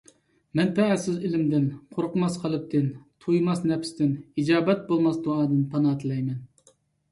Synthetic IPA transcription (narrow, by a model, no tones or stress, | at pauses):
mɛnpʰɛæsɪzɪlɪmd̪ɪnqʰoɾqʊmɑsqʰɑlˠɨp̚t̪ʰɪnt̪ʰujmɑsnɛpst̪ɪnid͡ʒɑːbɛt̪̚bolˠmɑsd̪uɑːd̪ɨnpʰɑnɑːt̪ʰɨlˠɛjmɛn